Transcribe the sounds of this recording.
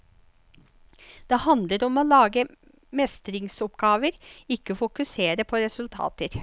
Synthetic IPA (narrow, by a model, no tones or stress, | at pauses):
d̪̥eːhɑnd̪ləɾɔmoːlɑːɡə | mɛst̪ɾɪŋsɔpɡɑːʋəɾɪkːəfʊkʉseːɾəpʰoːɾɛsʉlt̪ʰɑ̰ːt̪əɾ